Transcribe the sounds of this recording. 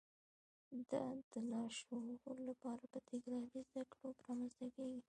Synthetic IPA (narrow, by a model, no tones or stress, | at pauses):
d̪əd̪̥əlɑʃolapɑɾapət̪ɪɡɾɑlizd̪akɽopəɾɑmanzt̪akeɡi